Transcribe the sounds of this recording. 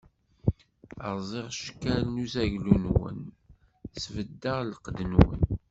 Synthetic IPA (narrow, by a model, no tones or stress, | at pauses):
ə̰ʁzˤeʁʃkːælnuzæʝlunwə̰n | svəd̪ːəʁlqd̪ənwə̰n